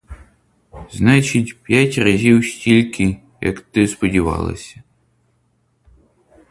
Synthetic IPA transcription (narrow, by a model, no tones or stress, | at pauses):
znɑt͡ʃitʲpʲjatʲrɐzʲiwʃʲtʲilʲkʰɪ | jɐ̰kt̪ɪspɔdʲiʋɑ̰lˠɐ̰sʲɐ